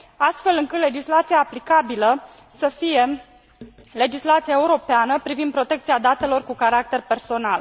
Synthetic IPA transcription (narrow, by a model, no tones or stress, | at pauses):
ast̪fe̞lɨŋkɨt̪le̞d͡ʒislat̪siaːplikabilə | səfije̞ | le̞d͡ʒislat̪siaeuɾo̞peanəpɾivind̪pɾo̞t̪e̞k̚t̪siad̪at̪e̞lo̞rkukaɾak̚t̪e̞rpe̞rso̞nal